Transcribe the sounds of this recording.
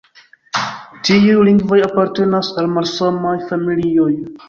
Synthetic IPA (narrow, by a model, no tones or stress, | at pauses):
tiujliŋɡvo̞japaɾte̞nasalmalsamajfamilio̞j